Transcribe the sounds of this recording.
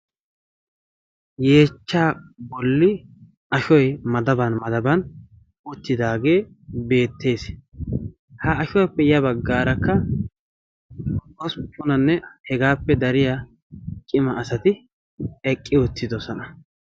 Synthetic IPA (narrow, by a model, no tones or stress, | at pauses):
je̞ːt͡ʃːaːbɔlːɪ | ɐʃɔjmɐd̪ɐbɐnmɐd̪ɐbɐn | ʊt̪ːɪd̪aːɡe̞ː | be̞ːt̪ːe̞ːs | hɐɐʃɔjpːɛjɐbɐɡːaːɾɐkːɐ | ɔspʼːʊnɐnːɛhɛɡaːpːɛd̪ɐɾɪja | kʼɪmɐːsɐt̪ɪ | ɛkʼːɪwɔt̪ːɪd̪ɔsɔnɐ